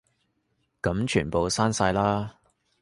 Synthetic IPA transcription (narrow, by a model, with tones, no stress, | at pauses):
kɐ˨˧˥mt͡ʃʰyː˨˩npo˨wsaː˥nsaː˧jlaː˥